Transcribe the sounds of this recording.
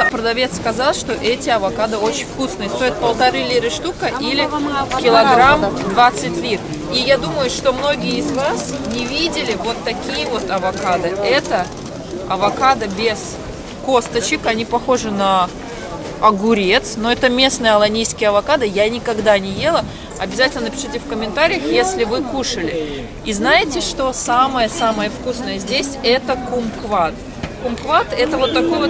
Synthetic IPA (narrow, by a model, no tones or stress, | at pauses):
pɾəd̪ɐvʲe̞t̪skɐzalˠʂt̪o̞ʔɛtʲɪɐvɐkad̪ɨo̞t͡ɕɪnʲfkusnɨjəst̪o̞jɪt̪̚pəlˠt̪ɐɾɨlʲiɾɨʂt̪ukəʔilʲɪkʲɪlˠɐɡramd̪vat̪sːɨtʲlʲit̪ | ijad̪uməjʊʂt̪o̞mno̞ɡʲɪjəɪzvasnʲɪvʲidʲɪlʲɪvo̞t̪ːɐkʲijəvo̞t̪ɐvɐkad̪ɨɛt̪ə | ɐvɐkad̪ɨbʲez̥ | ko̞st̪ət͡ɕɪkɐnʲipɐxo̞ʐɨnə | ɐɡʊɾʲe̞t̪snoɛt̪əmʲe̞snəjəɐlˠɐnʲijskʲɪjəɐvɐkad̪ɨjanʲɪkɐɡd̪anʲɪje̞lˠə | ɐbʲɪzatʲɪlnənəpʲɪ̥ʂɨtʲɪfkəmʲɪnt̪aɾʲɪjəxjesʲlʲɪvɨkuʂəlʲɪ | iznajɪtʲɪʂt̪o̞saməjəsaməjəfkusnəjəzʲdʲesʲɛt̪əkʊmkvat̪ | kʊmkvat̪ɛt̪əvo̞t̪ːɐko̞jvo